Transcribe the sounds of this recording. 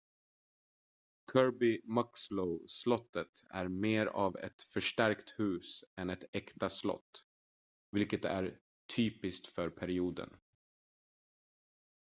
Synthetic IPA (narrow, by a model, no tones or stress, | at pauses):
kʰœɹbɪmaksləslɔt̪ːət̪æ̰ɾmeːɾa̰vɛ̰t̪fœʂʈæɾkt̪hʉ̟ːsɛnɛt̪ɛkt̪aslɔ̰t̪ː | vɪlkət̪æ̰ɾ | t̪ʰyːpɪskt̪fœɾpʰæɾɪuːd̪ə̰n